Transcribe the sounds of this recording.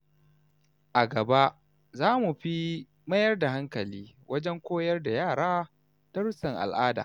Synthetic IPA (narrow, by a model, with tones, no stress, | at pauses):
ʔa˨ɡɐ˨ba˦ʔ | zaː˦mu˨ɸi˦ | mɐ˦jɐ˦rda˨ɦa˦ŋkɐ˨liː˦wʔɐ˦d͡ʒɛ˦ŋkʷoː˦jɐ˦rda˨jaː˦˨ɽaː˦ | ta˦ɽʊ˦sɐ˨ŋʔa̰˨lʔaː˦da̰ː˨